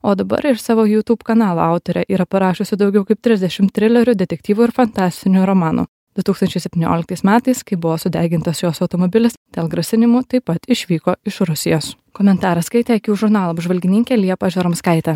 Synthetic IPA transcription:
oːd̪ɐbɐ̰ɾɪʃsɑːʋoːjuːt̪uːpkɐnɑːlˠo̰ɐʊt̪ɔɾʲɛʔiːɾɐpɐɾɑːʃʊsʲɪd̪ɒʊɡʲɛʊkɐɪp̚t̪ʲɾʲɪzd̪ʲɛʃʲɪmt̪ːʲɾʲɪlʲɛɾʲʊd̪ʲɛt̪ʲɛk̚t̪ʲiːʋuɪɾfɐnt̪ɑːsʲt̪ʲɪnʲuɾɔmɑːnṵː | d̪̥ʊt̪uːksɐnʲt͡ʃʲɛɪsʲɛpʲt̪ʲinʲo̰ːlʲɪkt̪ɐɪsmʲæːt̪ɐɪskɐɪbʊʋoːsʊd̪ʲæːɡʲɪnt̪ɐsjoːsɐʊt̪ɔmɔbʲɪlʲɪsd̪̥ʲeːlˠɡɾɐsʲɪnʲɪmuːt̪ɐɪpɐt̪ɪʃʲʋʲiːkoːɪʃɾʊsʲɪjoːs | kɔmʲɛnt̪ɑːɾɐskɐɪt̪ʲɛɐkʲuːʒʊɾnɑːlˠɐbʒʋɐlʲɡʲɪnʲɪŋʲkʲɛlʲiɛpɐːʒʲoɾɐmskɐɪt̪ʲɛ

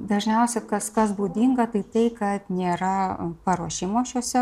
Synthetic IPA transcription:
d̪ɐʒʲnʲɛʊsʲɛkɐskɐsbuːd̪ʲiŋɡɐt̪ɐɪt̪ɐɪkɐt̪nʲeːɾɐpɐɾuɔʃʲɪmoːʃʲuɔsʲɛ

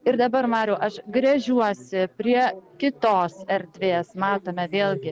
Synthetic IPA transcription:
ɪɾd̪ɐbɐɾmɑːɾʲɛːʔɐʃɡɾʲɐʒʲuɔsʲɪpʲɾʲiɛkʲɪt̪oːsɛɾʲd̪ʲʋʲeːsmɑːt̪oːmʲɛʋʲeːlˠɡʲɪ

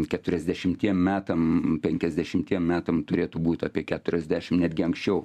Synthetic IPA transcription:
kʲɛt̪ʊɾʲɛzʲd̪ʲɛʃʲɪmt̪ʲiɛmmʲæːt̪ɐmpʲɛŋʲkʲɛzʲd̪ʲɛʃʲɪmʲt̪ʲiɛmmʲæːt̪ɐmt̪ʊɾʲeːt̪ubuːt̪ʲɑːpʲiɛkʲæːt̪ʊɾʲɛzʲd̪ʲæːʃʲɪmnʲæd̪ʲɡʲɪɐŋksʲt͡ʃʲɛʊ

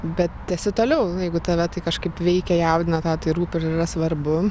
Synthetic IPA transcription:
bʲɛt̪̚t̪ʲɛsʲɪt̪oːlʲɛʊjɛɪɡʊt̪ɐʋʲɛt̪ɐɪkɐʃkɐɪpʋʲɛɪkʲɛjɛʊd̪ʲɪnɐt̪ɑːt̪ɐɪɾuːpʲɪɾɪirɐsʋɐɾbʊ

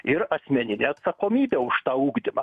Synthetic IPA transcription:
ɪɾɐsʲmʲɛnʲɪnʲeɐt̪sɐkoːmʲiːbʲeʊʃt̪ɑuːɡd̪ʲɪmɐ

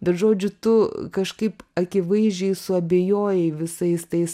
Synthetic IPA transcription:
bʲɛt̪ʒoːd͡ʒʲʊt̪ʊkɐʃkɐɪpɐkʲɪʋɐɪzʲd͡ʒʲɛɪsʊɐbʲeːjoːjɛɪʋʲɪsɐɪst̪ɐɪs

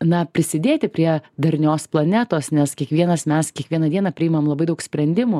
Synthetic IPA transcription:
nɐpʲɾʲɪsʲɪd̪ʲeːt̪ʲɪpʲɾʲiɛd̪ɐɾʲnʲoːsplˠɐnʲɛt̪oːsnʲɛskʲiɛkʋʲiɛnɐsmʲɛskʲiɛkʋʲiɛnɐd̪ʲiɛnɐpʲɾʲɪɪmɐmlˠɐbɐɪd̪ɐʊksʲpʲɾʲɛnʲd̪ʲɪmʊ

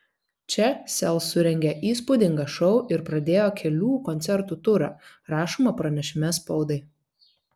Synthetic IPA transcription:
t͡ʃʲɛsʲɛlˠsʊɾʲɛŋʲɡʲɛʔiːspud̪ʲɪŋɡɐʃɔʊʔɪɾpɾɐd̪ʲeːjoːkʲʰɛlʲuːkɔnʲt̪sʲɛɾt̪uːt̪ʊɾɑ̰ː | ɾɑːʃomɐpɾɐnʲɛʃʲɪmʲɛspɒʊd̪ɐɪ

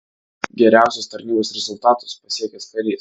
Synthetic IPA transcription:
ɡʲɛɾʲæˑʊsʲʊst̪ɐɾʲnʲiːboːsɾʲɛzʊlˠt̪ɑːt̪ʊspɐsʲiɛkʲɛsp̪ɐlʲiːs

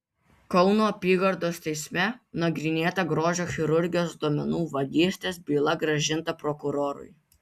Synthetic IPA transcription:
kɒʊnoːɐpʲiːɡɐɾd̪oːst̪ʲɛɪsʲmʲɛnɐɡɾʲɪnʲeːt̪ɐɡɾoːʒʲoːxʲɪɾʊɾʲɡʲɪjoːsd̪oːmʲɛnuːʋɐɡʲiːsʲt̪ʲeːsbʲiːlˠɐɡɾɐʒʲɪnt̪ɐpɾɔkʊɾoːɾʊ̰j

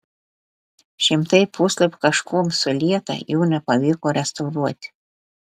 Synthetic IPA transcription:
ʃʲɪmt̪ɐɪpusʲlʲˠɐpʲkɐʃkuːmsʊlʲiɛt̪ɐ̰juːnʲɛpɐʋʲiːkoːɾʲɛst̪ɐʊɾuɔt̪ʲ

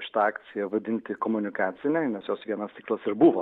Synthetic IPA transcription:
ʃʲɪ̥t̪ɐɑːkt̪sʲɪjɛʋɐd̪ʲɪnʲt̪ʲɪkoːmʊnʲɪkɑːt̪sʲɪnʲɛɪnʲɛsjoːsʋʲiɛnɐst̪ʲiːklˠɐsɪɾbuʋo

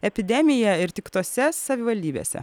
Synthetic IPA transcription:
ɛpʲɪd̪ʲɛmʲɪjɛɪɾt̪ʲɪkt̪oːsʲɛsɐʋʲɪʋɐlʲd̪ʲiːbʲḛːsʲɛ̰

